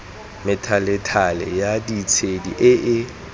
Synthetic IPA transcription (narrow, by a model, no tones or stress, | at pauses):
mɪtʰalɪtʰalɛ̰jadit͡sʰedḭʔɪʔɪ